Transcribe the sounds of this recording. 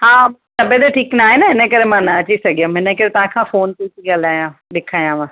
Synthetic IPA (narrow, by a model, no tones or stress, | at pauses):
ɦãːsɐbed̪eʈʰiːknaːɦenaɪnẽkəɾemãːnaət͡ʃisɐɡjõːmɪ̃nẽkəɾet̪ãːkʰãːfoːnt̪ikiɡəlaːjãːɗɪkʰaːjãːʋãː